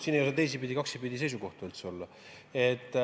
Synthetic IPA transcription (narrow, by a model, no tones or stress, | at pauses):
siːnejuset̪e̞js̬ipid̪ʲikɑksipid̪ʲise̞jsuko̞ht̪uylt̪so̞lːɑ | et̪ːˑ